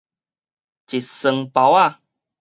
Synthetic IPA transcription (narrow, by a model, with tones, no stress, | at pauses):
t͡ɕi˨˩t̚sə˧ŋpa˨˦wa˥˧˨